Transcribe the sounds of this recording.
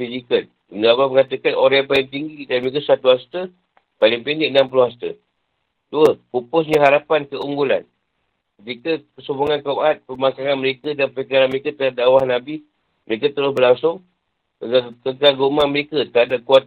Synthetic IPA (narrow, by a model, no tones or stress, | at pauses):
fizikən | ənabaməŋat̪əkanoɾiapalɪŋt̪iŋɡidaiməɾek̬əsat̪uɦast̪ə | palɪŋpendɪʔ̚nampəluɦast̪ə̰ | duəkupʊs̬ɲaɦaɾapankəuŋɡula̰n | kəd͡ʒikəkəsubuŋankomat̪̚pəmakaŋanməɾekədanpəekalanməekət̪əladawahnãbi | məɾekət̪əlʊhbərlaŋsʊŋ | t̪əkaɡumaməɾekət̪əɦadap̚kuat̪̚